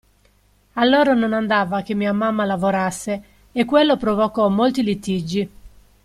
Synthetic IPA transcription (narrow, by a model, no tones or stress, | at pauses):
alːoːɾanonand̪aːvakemːiːamamːalavoɾasːe | ekwelːopɾovokɔmːolt̪ilit̪ːid͡ʒːi